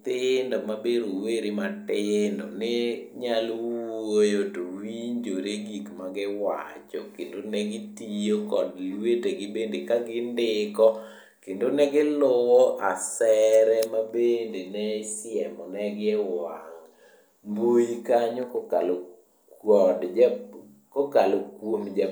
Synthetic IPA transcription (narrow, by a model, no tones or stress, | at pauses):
t̪ɪndɔmabeɾoweɾimatɪndɔ̰nɪɲalwwojotowiɲd͡ʒoɾeɡikmaɡɪwa̰t͡ʃɔ̰kendonɛɡɪtijokɔdlweteɡɪbendekaɡɪndɪkɔ | kendonɛɡɪlowɔʔasɛɾɛmabendenɛsɪɛmɔnɛɡɪɛwaŋ | mbojikaɲokkal | ɔdd͡ʒ | kokalokwomd͡ʒa